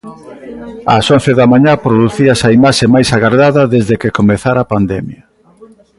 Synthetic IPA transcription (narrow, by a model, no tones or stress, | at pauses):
ɐ̰sonθeðɐmaɲapɾoðuθiɐsɐimaʃemajsaɣaɾɣaðɐðezðekekomeθaɾapand̪ɛmjɐ